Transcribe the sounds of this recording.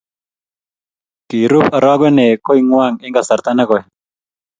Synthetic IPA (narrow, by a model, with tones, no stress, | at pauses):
ki˨ɾu˦pa˨ɾa˦ɡɛ˦nɛ˨ko˦i˦ŋwa˦˨ŋɪ˦ŋɡa˨sa˨ɾt̪a˦na˦kɔ˨j